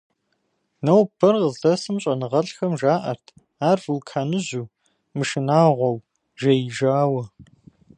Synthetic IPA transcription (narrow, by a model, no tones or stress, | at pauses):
nɐwpʰɐrəzɮɐsɨmɕʼɐnɨʁɐɬxɐmʒaːʔɐ̰rtʰ | aːrfulkʰaːnɨʑuː | mɨʃɪnaːʁʷɔw | ʒɐjɪʒaːwɐ